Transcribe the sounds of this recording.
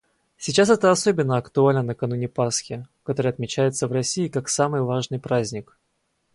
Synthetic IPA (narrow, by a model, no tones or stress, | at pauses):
sʲɪt͡ɕasɛt̪əɐso̞bʲɪnːəɐkt̪ʊalʲnənəkɐnunʲɪpasxʲɪkɐt̪o̞ɾɨjɐt̪mʲɪt͡ɕæjɪt̪səvrɐsʲiːkaksamɨjvaʐnɨjpɾazʲnʲɪk